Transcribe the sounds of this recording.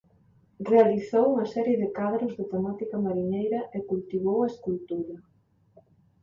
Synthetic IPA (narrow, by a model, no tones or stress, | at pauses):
realiθowuŋɐsɛɾjɪðɪkaðɾʊzðɪt̪emat̪ikɐmaɾiɲejɾɐʔekult̪iβ̞owɐeskult̪uɾɐ